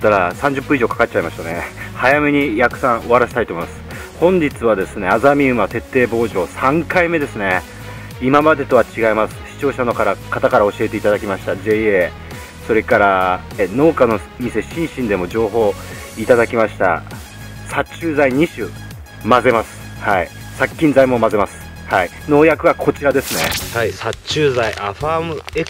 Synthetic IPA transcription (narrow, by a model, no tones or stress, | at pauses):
t̪ːaɾasãɲ̟d͡ʑɨpːɯ̃iʑoːkḁkatt͡ɕaimaɕt̪ane̞hajame̞ɲ̟ijakɯ̟̥sãɰ̃o̞βaɾaɕi̥t̪ait̪omimḁsɨ̥ | hõ̞ɲ̟d͡ʑit͡sɨβad̪e̞sɨne̞azamʲiɯ̟mat̪e̞t̪ːe̞ːbo̞ːʑo̞ːsãŋkaime̞d̪e̞sɨne̞ | imamad̪e̞t̪o̞βat͡ɕiɡaimasɨ̥ɕi̥t͡ɕo̞ːɕano̞kaɾakat̪akaɾao̞ɕie̞t̪e̞it̪ad̪akʲimaɕi̥t̪ad͡ʑe̞ie | so̞ɾe̞kaɾa | eno̞ːkano | mʲise̞ɕĩɰ̃ɕĩnd̪e̞mo̞d͡ʑo̞ːɦo̞ː | it̪ad̪akʲimaɕi̥t̪a̰ | sat͡ɕɨːzaiɲ̟iɕɨː | maze̞masɨ̥ | hai | sakʲːĩnzaimo̞maze̞masɨ̥ | hai | no̞ːjakɯ̟βakʰo̞t͡ɕiɾad̪e̞sɨne̞̰haisat͡ɕɨːzaiʔaɸaːmɯe